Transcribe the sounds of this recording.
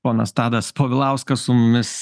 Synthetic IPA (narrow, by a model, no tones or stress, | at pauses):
oːnɐst̪ɑːd̪ɐspoːʋʲɪlˠɐʊskɐsʊmʊmʲɪs